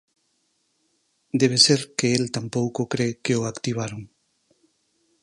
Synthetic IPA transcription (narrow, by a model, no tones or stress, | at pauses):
d̪eβ̞eseɾkeelt̪ampowkokɾekeoakt̪iβ̞aɾoŋ